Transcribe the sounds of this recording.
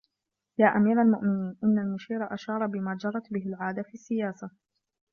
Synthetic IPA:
jaːʔamiːɾalmʊʔmɪniːnʔɪnːalmʊʃiːɾˤɑʔaʃɑːɾˤɑbɪmaːd͡ʒɑrˤːɑt̪bɪɦɪlʕaːd̪afiːsːɪjaːsa

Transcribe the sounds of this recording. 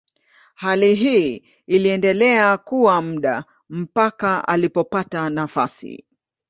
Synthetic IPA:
haliɦiː | liɛndɛlɛakuwam̩ɗa | m̩pakaa̰lipɔpatanafasḭ

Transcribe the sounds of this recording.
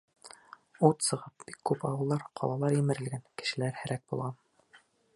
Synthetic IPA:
ut̪sɤ̆ʁɤp̚b̥ikːʉpɑwɤ̆lˠd̪ɑɾqʰɒ̰lˠɑlˠɑɾjimɘ̆ɾɘ̆lɡænkɘ̥̆ʃɘ̆læɾhæ̆ɾæk̚b̥ulˠʁɑn

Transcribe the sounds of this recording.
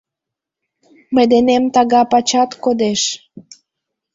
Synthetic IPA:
məjd̪enemt̪ɑɣɑpɑt͡ɕɑt̪kod̪eʃ

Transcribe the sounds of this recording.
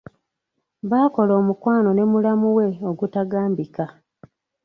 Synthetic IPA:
βaːko̞lo̞ːmukwaːno̞ne̞mulamuwe̞oɡutaɡaːmbika

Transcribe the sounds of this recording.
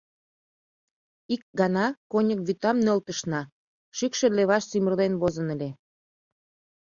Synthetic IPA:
ik̚ɡɑnɑkonʲək̚βyt̪ɑmnølt̪əʃnɑ | ʃykʃeleβɑʃsimərd̪enβozənə̆lʲe

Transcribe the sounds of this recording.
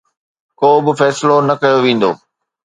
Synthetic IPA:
koːbɪfɛːsɪlonɐkɐjoʋĩːn̆d̪o̰ː

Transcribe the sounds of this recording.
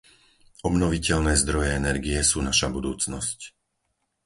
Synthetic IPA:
ɔbnɔʋicɛʎnɛːzd̪ɾɔjɛɛnɛɾɡijɛsuːnaʃabud̪uːt͡snɔsc

